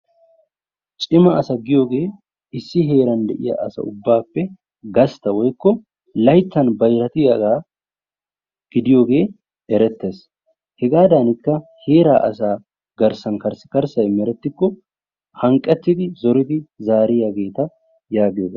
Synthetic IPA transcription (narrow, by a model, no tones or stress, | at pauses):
t͡ʃʼɪmɐʔɐsɐɡɪjo̞ːɡe̞ː | ɪsːɪɦe̞ːɾɐnd̪ɛʔɪ̰jɐ̰ʔɐsɐ̰ʊbːaːpːɛ | ɡɐst̪ɐwɔjkːɔ | lɐjt͡s̪ːɐnbɐjɾɐt̪ɪjɐɡaː | ɡ̥ɪd̪ɪjo̞ːɡe̞ː | ʔɛɾɛt̪ːeːs | hɛɡaːd̪aːnɪkːɐhe̞ːɾa̰ːʔɐ̰saː | ɡɐɾsɐnkɐɾsɪkɐɾsɐjmɛɾɛt̪ːɪkːɔ | hɐŋkʼːɛt̪ːɪd̪ɪzɔɾɪd̪ɪzaːɾɪjɐɡe̞ːt̪ɐ | jaːɡɪjoːɡeː